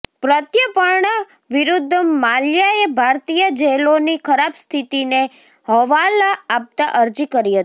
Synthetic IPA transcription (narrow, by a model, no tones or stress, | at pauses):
pɾət̪jəpəɾɳə | ʋiɾud̪ʱːəmaljaebʱaɾt̪ijəd͡ʒelonikʰəɾabst̪ʰit̪ine | ɦəʋalaap̚t̪aʔəɾd͡ʒikəɾiɦət̪i̥